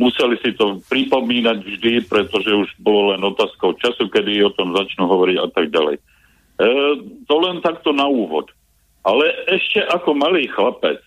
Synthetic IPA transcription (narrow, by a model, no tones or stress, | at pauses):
musɛlisit̪ɔpɾipɔmiːnaɟvʒd̪ipɾɛt̪ɔʒɛuʒbɔlɔlɛnɔt̪aːskɔʊt͡ʃasukɛd̪iɔt̪ɔmzat͡ʃnuɦɔʋɔɾiɟa̰t̪aɡ̚ɟalɛ̰j | t̪ɔlɛnt̪akt̪ɔnauːʋɔ̰t̪ | alɛɛʃcɛʔakɔmaliːxlapɛ̰t͡s